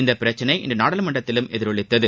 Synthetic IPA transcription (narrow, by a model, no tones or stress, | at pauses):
ɪnd̪ɐpɪɾɐt͡ʃːɐnɐɪʔɪ̰nd̪ɐnaːɽɐlɐmɐɳɖɐt̪ːɪlɯmɛðɪɾɔɭɪt̪ːɐðɯ